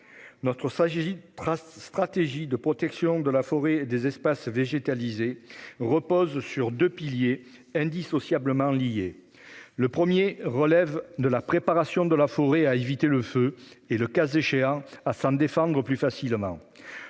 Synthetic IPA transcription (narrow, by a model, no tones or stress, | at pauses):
nɔt̪χə | st̪χat̪eʒid̪əpχɔt̪ɛksjɔ̃d̪əlafɔʁeːd̪ezɛspasveʒet̪alizeʁəpɔzsyʁd̪øpilje | ɛ̃d̪isɔsjabləmɑ̃lije | ləpχəmjeʁəlɛvd̪əlapχepaʁasjɔ̃d̪əlafɔʁeaevit̪eləføeləkazeʃeɑ̃asɑ̃d̪efɑ̃d̪ʁəplyfasilmɑ̰̃